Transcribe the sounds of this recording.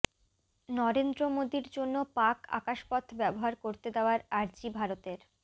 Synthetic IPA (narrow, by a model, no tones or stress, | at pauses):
nɔɾend̪ɾomod̪iɾd͡ʑonːopaka̰kaʃpɔt̪ʰbɛboɦaɾkoɾt̪ed̪eoaɾaɾd͡ʑibʱaɾot̪eɾ